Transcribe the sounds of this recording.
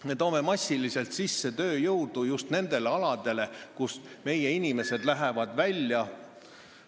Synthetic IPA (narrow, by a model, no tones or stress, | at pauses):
me̞t̪o̞ːme̞mɑsʲːilise̞lt̪sisːe̞t̪ø̞ːjɤwd̪̥ujust̪ne̞nd̪̥e̞le̞ɑlɑd̪̥e̞le̞kusme̞je̞inime̞se̞d̪̥læɦevɑd̪vælʲjɑ